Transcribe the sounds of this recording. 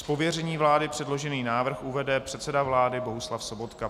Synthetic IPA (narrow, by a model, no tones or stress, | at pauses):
spo̞vjɛrɛɲiːvlaːdɪpr̥ɛdlo̞ʒɛniːnaːvr̩xuvɛdɛpr̝̥ɛt̪sɛdavlaːdɪbo̞ɦuslafso̞bo̞t̪ka